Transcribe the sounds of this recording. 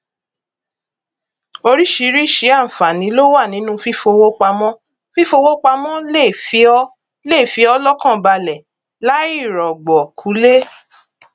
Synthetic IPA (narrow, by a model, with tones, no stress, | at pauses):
o˧ɾi˦ʃi˨˧˦ɾi˦˨ʃi˨˦ã˦˨fa˨nĩ˨˦lo˦wa˦˨nĩ˨˦nũ˦fi˦fo˧wo˦k͡pa˧mɔ̃˦ | fi˦fo˧wo˦k͡pa˧mɔ̃˦le˦˨fi˨˦ɔ˦ | le˦˨fi˨˦ɔ˦lɔ˦kã˦˨ba˧lɛ˨ | la˦i˦˨ɾɔ˨ɡ͡bɔ˨kʰu˨˦le˦